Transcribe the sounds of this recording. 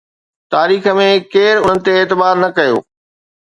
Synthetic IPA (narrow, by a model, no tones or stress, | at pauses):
t̪aːɾiːxə̆mẽkeːɾʊn̤ənɪ̆t̪eːt̪ɪbaːɾnɐkɐjo̰ː